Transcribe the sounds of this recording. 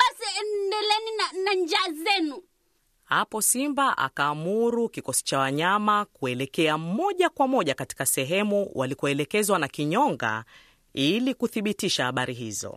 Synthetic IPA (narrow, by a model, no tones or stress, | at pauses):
ɓasiɛnndɛlɛninanaɲd͡ʒaːzɛnu | hapɔsimbaʔa̰kaːmuɾukikɔsi̥t͡ʃawaɲamakuɛlɛkɛamɔʄakwamɔʄakati̥kasɛɦɛmuwalikɔɛlɛkɛzwanakiɲɔŋɡa̰ | ilikuθiɓitiʃahaɓaɾiɦḭzɔ̰